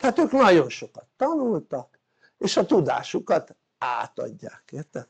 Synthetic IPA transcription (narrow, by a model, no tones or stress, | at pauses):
haːt̪øːknɒɟo̞nʃo̞kɒt̪ːɒnult̪ɒk | eːʃɒt̪ud̪a̰ːʃukɒt̪ | a̰ːt̪ɒ̰ɟːa̰ːkeːrt̪ɛ